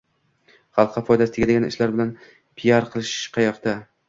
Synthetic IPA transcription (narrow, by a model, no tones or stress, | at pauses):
χɑlˠqʰːɑfɒjd̪ast̪ɪɡʲad̪eɡʲanɪ̰ʃlaɾbɪlan | pʰijaɾqʰɨlˠɪʃqʰɑjɒqt̪a